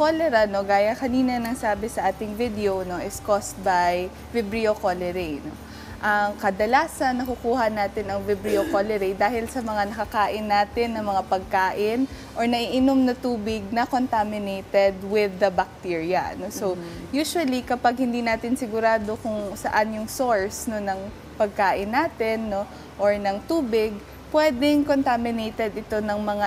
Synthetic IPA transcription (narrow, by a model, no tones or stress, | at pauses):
kolɛɾɐno̞ɡaːjɐkɐniːnɐnɐŋsaːbɛsɐʔaːt̪ɪŋvɪd̪ɛono̞ʔɪskost̪̚baj | vɪbɾiokolɛɾɛjno̞̰ | ʔɐŋkɐd̪ɐlaːsɐnːɐkukuːhɐnaːt̪ɪnɐŋvɪbɾiokolɛɾejd̪aːhɪlsɐmɐŋanɐkɐkaːʔɪnːaːt̪ɪnːɐŋmɐŋapɐɡ̚kaːʔɪn | ʔoɹnɐʔiʔɪnomnɐt̪uːbɪɡ̚nɐkont̪amɪnejt̪ɛd̪wɪðːɐbɐk̚t̪iɹjɐnosowjuːʃʊwɐlikɐpaɡ̚hɪnd̪iːnaːt̪ɪnsɪɡʊɾaːd̪o̞kʊŋsɐʔanjʊŋsoɹsnonɐŋ | pɐɡ̚kaːʔɪnːaːt̪ɪnːo̞ | ʔoɹnɐŋt̪uːbɪɡ̚ | pwɛːd̪ɛŋkont̪amɪnejt̪ɛd̪ɪt̪o̞nɐŋmɐŋa